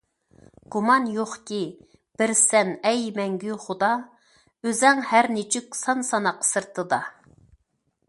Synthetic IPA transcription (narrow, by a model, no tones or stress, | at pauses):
ɡ̥umɑnjoχkʲi | b̥ɪɾsɛnɛjmɛŋɡʲyχʊd̪ɑ | øzɛŋhæɾnet͡ʃʰykʲsɑnsɑnɑqʰə̥sɨɾt̪ʰɨd̪ɑ